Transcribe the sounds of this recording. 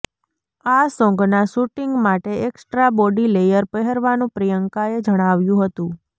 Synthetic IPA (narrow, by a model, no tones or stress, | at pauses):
asɔ̃ŋɡnaʃuʈiŋɡmaʈeeksʈɾabɔɖilejəɾpəɦeɾʋanũpɾijəŋkaed͡ʒəɽ̃aʋjũɦət̪ũ